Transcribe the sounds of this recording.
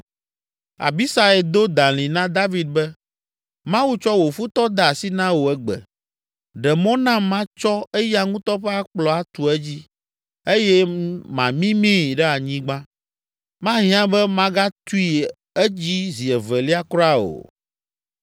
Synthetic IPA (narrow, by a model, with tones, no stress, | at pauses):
a̰˨bi˦sa˨ɛ˨d̪o˦d̪ã˨l̃ĩ˨nã˦d̪a˦vi˦d̪̚bɛ˦ | mã˦wu˦t͡ʃɔ˦wo˨fu˦t̪ɔ˦d̪a˨si˦nã˦wo˨ɛ˦ɡ͡bɛ̰˨ | ɖɛ˨mɔ̃˦nã˦mã˦t͡ʃɔ˦ɛ˦ja˦ŋũ˦t̪ɔ˦ɸɛ˦a˦k͡plɔ˨a˦t̪u˨ɛ˦d͡ʑi˦ | e˦jɛ˦mã̰˨mĩ˦mĩ˦˨ɖɛ˦a˨ɲĩ˦ɡ͡bã˦ | mã˦ɦĩ˦ã˦bɛ˦mã˦ɡa˦t̪u˦i˨ | ɛ˦d͡ʑi˦zi˨ɛ˨vɛ˨li˦a˦kɾa˦o̰˨